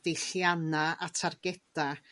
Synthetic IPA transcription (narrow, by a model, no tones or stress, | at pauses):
d̥ejɬjanaatʰarɡɛd̥a